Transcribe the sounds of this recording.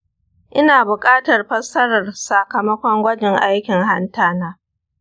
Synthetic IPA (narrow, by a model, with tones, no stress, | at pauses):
ʔɪ˦naː˨bʊ˨kʼaː˦tɐ˨rɸɐ˦sɐ˦ɾɐ˨rsa˨kɐ˨mɐ˦kʷɔ˦ŋɡʷɐ˦d͡ʒɪ˨ŋʔa˦jkʲɪ˨ŋha˦ntaː˦˨naː˦